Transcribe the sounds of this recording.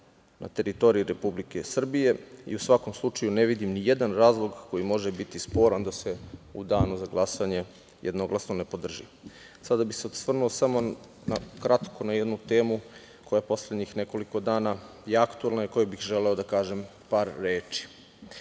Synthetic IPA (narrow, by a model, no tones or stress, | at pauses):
na̰t̪e̞ɾit̪o̞ɾiiɾe̞publike̞sr̩bije̞ḭusʋako̞mslˠut͡ʃajuneʋid̪imnijed̪anɾaːzlˠo̞ɡko̞jimo̞ʒebit̪ispo̞ːɾand̪aseud̪aːnuzaɡlˠasaɲe̞ | jʔed̪no̞ɡlasnone̞po̞d̪r̩ʒi | sad̪abixseod̪sʋr̩nuosamo̞ | nakɾat̪kʰo̞najed̪nut̪e̞ːmu | kʰo̞japo̞sled̪ɲixne̞koliko̞d̪aːna | jeakt̪uelˠnaiko̞jebixʒele̞od̪akaːʒem | paːɾːeːt͡ʃi̥